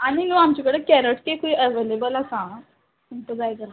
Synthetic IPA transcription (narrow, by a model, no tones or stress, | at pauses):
aɽ̃inũːamt͡ɕikəɽekɛɾəʈkekuiəʋelebəlasã | unt̪əd͡zajd͡zəla